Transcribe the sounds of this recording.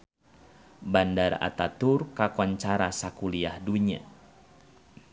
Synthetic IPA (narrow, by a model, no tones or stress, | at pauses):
bandara̰t̪at̪urkakɔɲt͡ʃaɾasakuliahduɲa̰